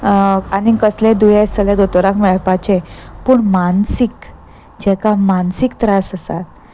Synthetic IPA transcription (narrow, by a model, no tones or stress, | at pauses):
aɽikəslẽd̪ujest̪əled̪ot̪oɾãkmɛɭpat͡ɕepuːɳmansik | d͡ʑɛkamansikt̪ɾasəsat̪̚